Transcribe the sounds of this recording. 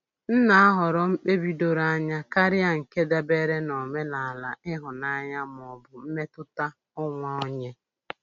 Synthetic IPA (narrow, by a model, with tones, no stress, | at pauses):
n̩˦na˨˦a˦ɦɔ˨ɾɔ˨m̩˦k͡pe˦bi˦do˦ɾa˦ɲa˦ka˦ɾɪ˦a˨ŋ̩˨ke˦da˨be˦ɾe˦nɔ˨me˦na˨la˨ɪ˦ɦʊ˨na˦ɲa˦m˨ɔ˨bʊ˨m̩˦me˦tʊ˦ta˦ | ʊ˦ŋʷa˦o˦ɲe˦